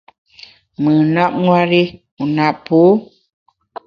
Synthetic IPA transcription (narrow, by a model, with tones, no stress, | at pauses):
mɨ˨na˦p̚ŋwa˦ɾi˦ | u˨na˦ʔpo˨˦